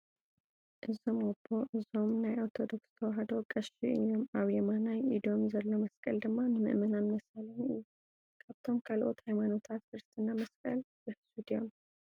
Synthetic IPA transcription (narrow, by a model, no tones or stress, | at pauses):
ʔɨzomobːo̞ʔɨzo̞mnajʔoɾt̪ʰo̞d̪okst̪ʰɐwɐɦɐd̪okʼɐʃḭʔɨjomaβjɛmanajʔid̪o̞mzɐlːomɐskʼɐ̰ld̪ɨmːanɨmɨ̰ʔmɐnanmɐsɐlɐɲɨ̰jːu | kʰaβt̪ʰo̞mkʰalʔo̞t̪hajmanot̪ʰat̪kɨɾɨst̪ʰʼɨnːamɐskʼɐlbɨsud̪ijam